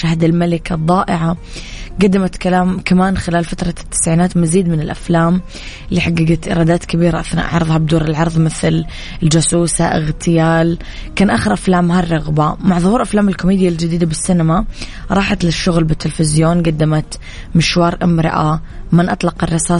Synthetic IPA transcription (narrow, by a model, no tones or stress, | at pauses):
ʃahd̪ɪlmalɪkɑd̪ˤːɑːʔɪʕa | ɡad̪ːɪmat̪kalaːmkamaːnxɪlaːlfat̪ɾˤɑt̪ːɪ̥sʕiːnaːt̪maziːd̪mɪnɪlʔaflaːm | lɪħaɡːaɡat̪ʔɪ̰ɾˤɑːd̪aːt̪kɪbiːɾaʔaθna̰ʔʕɑɾðˤhɑb̚d̪uːɾɪlʕɑɾˤðˤmɪθl | ɪld͡ʒʊsuːsa̰ʔɪ̰ɣt̪ɪjaːl | kaːnʔaːxɪɾʔaflaːmɦarˤːɑɣbamaʕðˤʊhuːɾʔaflaːmɪlkʊmiːd̪ɪjald͡ʒɪd̪iːd̪abɪsːɪnamaɾˤɑːħat̪lɪʃːʊɣlbɪt̪ːɪlfɪzjoːnɡad̪ːɪmat̪ | mɪʃwɑːɾˤʔɪmɾɪ̰ʔamɪnʔɑt̪ˤlɑqɑrˤːɑsaː